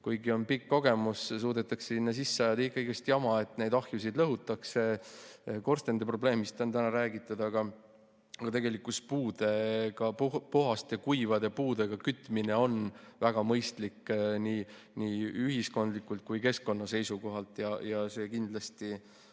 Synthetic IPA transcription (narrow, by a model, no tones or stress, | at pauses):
kujɡio̞npikːo̞ɡ̥e̞mussuːd̪et̪ːˑɑkseinːɑs̬isːeɑjɑd̪eikːɑiɡ̥est̪jɑmɑe̞t̪ˑne̞jd̪ɑhjusid̪lɤɦut̪ːˑɑkse̞ | ko̞rst̪end̪epro̞ble̞ːmist̪ːont̪ænɑɾæːɡit̪ːˑɑd̪ɑɡ̥ɑ | ɑɡ̥ɑt̪e̞ɡe̞likːˑuspuːd̪e̞ɡ̥ɑpupoɦɑst̪ekujvɑd̪epuːd̪e̞ɡ̥ɑkyt̪ːˑmine̞o̞nvæɡ̥ɑmɤjst̪likːniː | niːyɦisko̞nd̪̥likːˑult̪̚kujke̞skko̞nːɑse̞jsuko̞ɦɑlt̪ˑjɑjɑse̞ːkind̪̥lɑst̪i